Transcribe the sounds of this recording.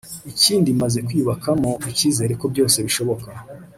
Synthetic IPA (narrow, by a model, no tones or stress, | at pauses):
iciːndimaze̞kwiːβakamo̞iciːze̞ːɾe̞ko̞bɟo̞ːse̞βiʃo̞βo̞ka